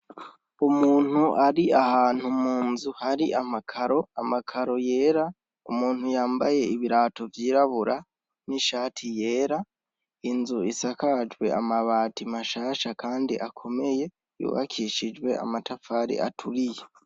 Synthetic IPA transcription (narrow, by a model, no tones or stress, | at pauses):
umuːn̥huʔaɾiahaːn̥humuːnzuhaɾiʔamakʰaɾo̞amakʰaɾo̞je̞ːɾa | ṵmuːn̥hujaːmbaje̞iβiɾaːto̞vjiːɾaβuɾa | niʃaːtʰije̞ːɾa | inzuisakad͡ʒwe̞amaβaːtimaʃaːʃakʰaːndiʔakʰo̞me̞je̞ | jṵːβa̰kʰiʃid͡ʒwe̞a̰matafaːɾḭʔa̰tʰuɾije